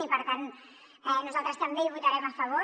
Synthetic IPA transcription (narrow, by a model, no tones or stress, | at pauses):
ipəɾt̪an | ɛnɔzalˠt̪ɾəst̪ambejβut̪aɾɛmafaβo